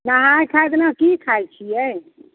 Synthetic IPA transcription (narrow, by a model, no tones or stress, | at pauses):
naɦajkʰajt̪nakikʰajt͡ʃʰijɛ